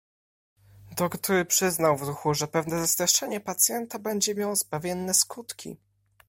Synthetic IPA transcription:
d̪ɔkt̪uɾɘpʂɘznawvɾuxuʐɛpɛvnɛzast̪ɾɛʂɛɲɛpat̪sʲjɛnt̪abɛɲd͡ʑɛmʲjawɔzbavʲjɛnːɛskut̪kʲḭ

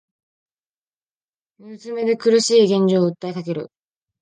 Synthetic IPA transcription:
mɯsɨme̞d̪e̞kɯ̟ɾɯ̟ɕiːɡẽ̞ɲ̟d͡ʑo̞ːɯ̟t̪ːaikake̞ɾɯ̟̰

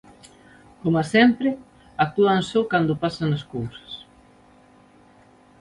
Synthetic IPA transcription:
komasɛmpɾɪ | ak̚t̪uansokand̪ʊpasanaskowsɐ̥s

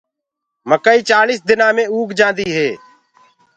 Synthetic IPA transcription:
məkəːiːt͡ʃaːliːsd̪ɪnãːmẽːuːkd͡ʒãːd̪iːɦeː

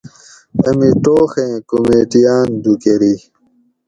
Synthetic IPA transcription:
ɐmiʈoːxẽːkomeːʈijaːnd̪ukeɾi

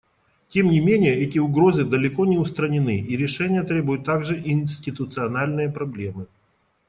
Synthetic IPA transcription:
tʲe̞mnʲɪmʲenʲɪjəɛtʲɪʊɡɾo̞zɨd̪əlʲɪko̞nʲɪʊst̪ɾənʲɪnɨʔiɾʲɪʂɛnʲɪjət̪ɾʲebʊjʊt̪ːaɡʐɨʔɪnsʲtʲɪt̪ʊt̪sɨɐnalʲnɨjəpɾɐblʲe̞mɨ

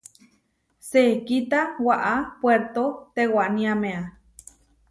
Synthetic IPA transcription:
sekit̪awaʔapweɾt̪ot̪ewaʔnĩamea

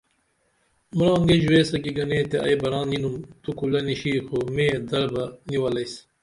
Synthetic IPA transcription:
muɾãːŋɡed͡ʑuweːsɐkiɡɐnẽːt̪eʔɐ̰jbɐɾãːninumt̪ukulɐniɕiːxomẽːd̪ɐɾbɐniwɐlɐjs

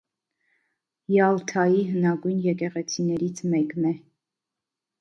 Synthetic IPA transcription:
jɑlt̪ʰɑjiɦənɑɡujnjɛkɛʁɛt͡sʰinɛɾit͡sʰmɛknɛ

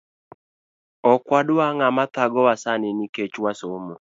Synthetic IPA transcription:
ɔkwadʊaŋamat̪aɡɔwasanɪniket͡ʃwasomo

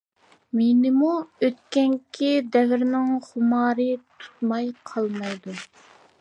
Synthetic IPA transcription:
menɪmuøt̪kʲɛŋkʲʰid̪ɛvɪɾnɪŋχʊmɑːɾɨt̪ʰu̥t̪̚mɑjqʰɑlˠmɑjd̪u

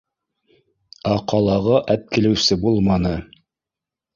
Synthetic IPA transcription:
ɑqɑlˠɑʁɤʔæp̚kilɘ̆wsɘbulˠmɑnɤ

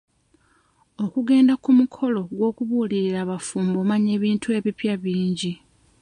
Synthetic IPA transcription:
o̞kuɡe̞ːndakumukʰo̞lo̞ɡwo̞ːkuβuːliɾiɾaːβafuːmbo̞ːmaɲe̞ːβiːntʰue̞ːβipjaβiːɲɟi

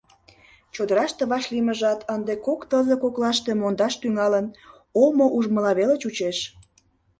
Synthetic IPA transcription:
t͡ɕod̪əɾɑʃt̪eβɑʃliməʒɑt̪ʰənd̪ekokt̪əzəkoklɑʃt̪emond̪ɑʃt̪yŋɑlən | omoʔuʒməlɑβelet͡ɕut͡ɕeʃ

